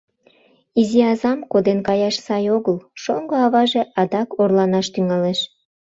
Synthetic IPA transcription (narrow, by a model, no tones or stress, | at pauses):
iziɑzɑmkod̪enkɑjɑʃsɑjoɣəlʃoŋɡoɑβɑʒeʔɑd̪ɑkorlɑnɑʃt̪yŋɑleʃ